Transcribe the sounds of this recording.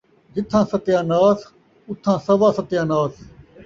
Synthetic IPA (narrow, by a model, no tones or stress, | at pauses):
d͡ʒɪt̪ʰːãːsət̪jãːnaːs | ʊt̪ʰːãːsəʋaːsət̪jãːnaːs